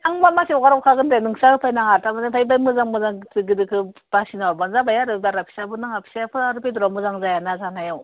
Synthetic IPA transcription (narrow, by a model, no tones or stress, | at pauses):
aŋmamasiɔɡaɾawkʰaɡɯndenɯŋsaɡɯpʰajnaŋaɾtamadetʰajbajmɯzaŋmɯzaŋzɯɡɯdɯkʰɯb̥asinawɾbanzabajaɾɯdaɾapʰi̥sabɯnaŋapʰi̥sajapʰɯɾaɾɯpeduɾamɯzaŋzajanazanajaw